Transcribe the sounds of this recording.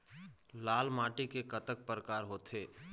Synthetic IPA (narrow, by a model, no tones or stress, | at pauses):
laːlmaːʈikekət̪ək̚pəɾəkaːɾɦoːt̪ʰeː